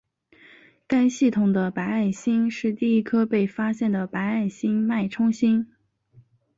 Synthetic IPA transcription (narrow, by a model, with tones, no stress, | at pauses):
ka˥nɕi˥˩t̪ʰʊ˨˩ŋd̪ə˦pa˧˥ɪa˥˩ɪɕi˥nʂɻ̩˥˧t̪i˥˩i˥kʰɤ˥pe˥˩ɪfa˥ɕjɛ˥˩nd̪ə˩pa˧˥ɪa˥˩ɪɕi˥ŋma˥˩ɪʈ͡ʂʰʊ˥ŋɕi˥n